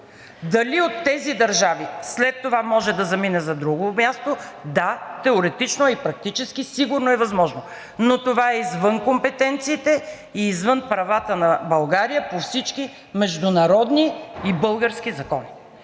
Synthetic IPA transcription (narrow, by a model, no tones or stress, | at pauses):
d̪ɐliot̪ːɛzid̪ɐɾʒavislɛt̪ːovamɔʒɛd̪ɐzɐminɛzɐd̪ɾuɡomʲjast̪od̪at̪ɛoɾɛt̪it͡ʃnoipɾɐk̚t̪it͡ʃɛskisiɡʊɾnoɛvɐzmɔʒno | not̪ovaɛizvənkompɛt̪ɛnt̪siːt̪ɛ | iːzvɤnpɾɐvat̪ənɐbɐlˠɡaɾijəpofsit͡ʃki | mɛʒd̪ʊnɐɾɔd̪niibɤlˠɡəɾskʲizɐkɔni